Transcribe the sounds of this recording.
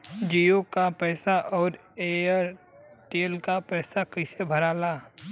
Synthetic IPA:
d͡ʒiːokapɛːsaʔɔːɾeːəɾ | ʈeːlkapɛːsakəɪsebʱɐɾaːlaː

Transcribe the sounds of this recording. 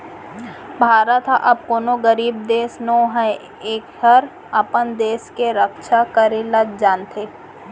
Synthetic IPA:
bʱaːɾət̪ʰaʔɐb̚koːnoɡəɾiːbd̪eːsnoːɦɛ | eːkhɐɾ | ɐpənd̪eːskeɾəkʃʰakəɾeləd̪d͡ʒaːnt̪ʰeː

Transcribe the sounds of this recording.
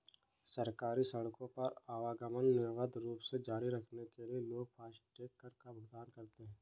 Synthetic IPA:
sɐɾkaːɾisɐɽkõpɐɾaːʋaːɡəmənːɪɾʋəd̪ɾuːpsed͡ʒaːɾiɾɐkʰnekelieloːɡ̚pʰaːsʈeːkːəɾkabɐɡd̪aːnkɐɾt̪eɦɛ̃ː

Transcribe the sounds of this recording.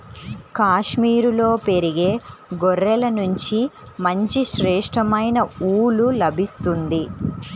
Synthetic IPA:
kaːʂmiːɾulo̞ːpe̞ɾiɡe̞ːɡɔrːɛlɐnuɲt͡ʃimɐɲt͡ʃiʃɾɛːʂʈɾɐmɐjnɐuːlulɐbʱist̪und̪i

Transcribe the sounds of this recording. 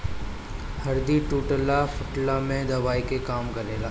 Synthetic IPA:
hɐɾd̪iʈuːʈəlafʊʈlamẽd̪ɐʋaːikekaːmkɐɾeːlaː

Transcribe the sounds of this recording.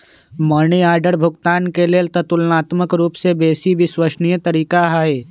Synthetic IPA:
məɾniaːɾɖəɾbʱʊɡt̪aːnkelet̪ət̪ʊlnaːt̪məkɾuːpsebeːsibʱiswəʃnijət̪əɾiːkaɦaːeː

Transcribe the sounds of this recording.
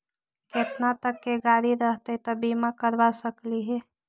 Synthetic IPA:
ket̪nat̪əkːeɡaɾiɾəɦt̪ət̪ɔbimakəɾbasəkliɦɛ

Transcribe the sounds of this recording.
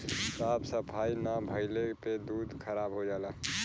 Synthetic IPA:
t̪oaːpsəpʰainabʱəɪleped̪uːd̪ʱkʰəɾaːbɦod͡ʒaːla

